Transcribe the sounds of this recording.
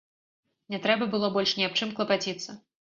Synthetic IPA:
nʲɛt̪ɾɛbɐbɨlˠɔbɔlʲʂnʲiap̚t͡ʂɨmklˠɐpat͡sʲit̪sːɐ

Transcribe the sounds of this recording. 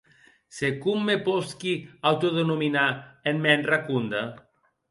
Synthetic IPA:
sekumːeposkiawt̪oðenominaenmːɛnrakund̪a

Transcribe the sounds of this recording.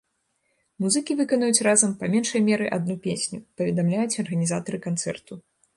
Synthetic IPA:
muzɨkʲivɨkɐnujut͡sʲrazɐmpamʲɛnʂɐjmʲɛɾɨʔad̪nupʲesʲnʲupɐvʲɛd̪amlʲajut͡sʲɐrɣɐnʲizat̪ɐɾɨkant̪sɛ̰rt̪u

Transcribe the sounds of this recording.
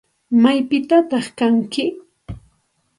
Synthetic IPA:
majpɪt̪at̪ɑχkaŋkɪ

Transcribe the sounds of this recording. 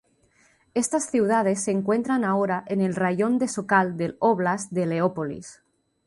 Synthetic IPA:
est̪asθiwð̞að̞e̞sːeŋkwe̞nt̪ɾanaoɾaʔene̞lraʝo̞nd̪e̞sokald̪eloβlazðeleopolḭs

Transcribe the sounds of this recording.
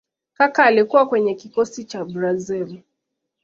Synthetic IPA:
kakaːlikuwakwɛɲɛkikɔsit͡ʃabɾazil

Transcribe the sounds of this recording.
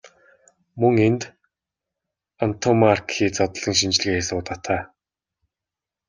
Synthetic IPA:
mɵŋent̪ | ant̪ʰomarkʰiːt͡sɔt̪ɞ̆ɮɞ̆ŋʃint͡ɕ̆ɮɘ̆ɣeːasʊːt̪at̪ʰaː

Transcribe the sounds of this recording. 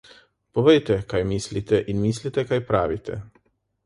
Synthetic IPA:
poʋejt̪ɛkajmislit̪ɛʔinmislit̪ɛkajpɾaːʋit̪ʰɛ̰

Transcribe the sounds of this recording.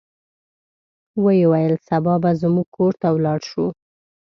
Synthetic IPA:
wəjewajəlsabɑbazmuɡ̚kʰoɾt̪awlɑɽʃu

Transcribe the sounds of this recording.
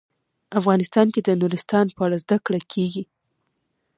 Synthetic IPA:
afɣɑnɪst̪ɑnked̪ənuɾɪst̪ɑnpəaɽazd̪akɽakʰeɡi

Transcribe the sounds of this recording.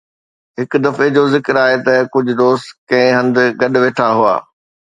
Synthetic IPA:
ɦɪkd̪ɐfed͡ʑozɪkɪɾaːɦet̪ɐkʊd͡ʑʱʊ̆d̪oːst̪kɐ̃ɦɪ̃ɦɐ̃nd̪ɡɐɗʊ̆ʋeːʈʰaɦua̰ː

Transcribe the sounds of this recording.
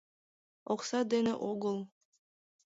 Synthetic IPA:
oqsɑd̪enḛʔoɡɤlˠ

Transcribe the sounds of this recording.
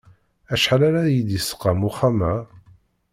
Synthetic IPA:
æʃħalaɾajid̪isə̥qːɑmuχamæ

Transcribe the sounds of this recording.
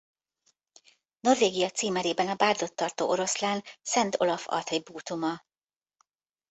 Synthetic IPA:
no̞rveːɡijɒt̪siːmɛɾeːbɛnɒbaːrd̪o̞t̪ːɒrt̪oːʔo̞ɾo̞slaːnsɛnt̪o̞̰lɒfɒ̰rt̪hɒjibuːt̪umɒ

